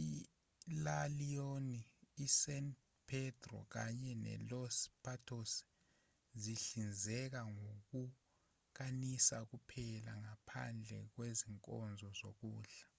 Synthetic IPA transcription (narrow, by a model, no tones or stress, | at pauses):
i | lalijoniːsɛnt | pʰɛtʰʼrɔ̰k̬aɲɛnɛ̰lɔspʰatʰos | ziɬind͡zʱɛk̬aŋok̬u | k̬anisak̬upʰɛlaŋapʰa̰nd͡ɮʱɛk̬weziŋkʼɔ̰nd͡zʱɔzok̬uːɮa